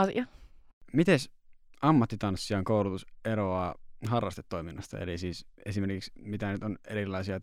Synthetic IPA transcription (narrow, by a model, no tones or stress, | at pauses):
ɑsḭɑmit̪es | ɑmːɑt̪ːit̪ɑnsːiɑŋkoulut̪useɾoɑːɦɑrːɑst̪et̪ːoiminːɑst̪ɑ̰ḛlisiːsesimerkiksmit̪ænyt̪oneɾilˑɑisiɑ